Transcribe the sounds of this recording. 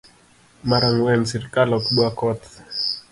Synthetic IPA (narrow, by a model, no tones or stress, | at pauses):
maɾaŋwɛnsiɾkalɔkɓwakɔt̪